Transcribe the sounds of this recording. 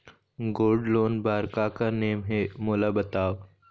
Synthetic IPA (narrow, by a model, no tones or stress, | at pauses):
ɡoːɖloːnbaːɾkakaneːmɦemoːlabɐt̪aːo